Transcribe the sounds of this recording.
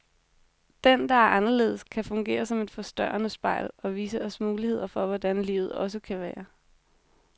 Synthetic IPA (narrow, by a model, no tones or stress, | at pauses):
d̥end̥ɑ̈æɐʔɑ̈nɐle̝̰ːðˠskʰæfɔ̽ŋɡ̥e̝̰ːɐsɒ̽me̝d̥fɒ̽sd̥ɶɐɐnəsb̥ɑ̈ɪ̰lɒ̽ʋiːsəɒ̽smuːlihe̝ð̞̰ˠɐfɒ̽ʋɒd̥ænliːʊð̩ˠɒ̽s̬əkʰæʋæːɐ